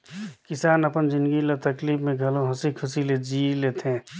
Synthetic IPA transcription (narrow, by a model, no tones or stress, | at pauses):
kɪsaːnɐpənd͡ʒɪ̃nd̪ɡilet̪ɐkliːpmẽɡʱɐlõɦɐsikʰʊsiled͡ʒiːleːt̪ɦɛ̃ː